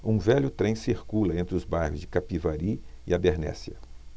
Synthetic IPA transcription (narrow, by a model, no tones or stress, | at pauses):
ũvɛʎʊt̪ɾẽj̃siɾkulɐẽt̪ɾɪʊzbajhʊzd͡ʒɪkapivaɾi | ɪabeɾnɛ̰siɐ̰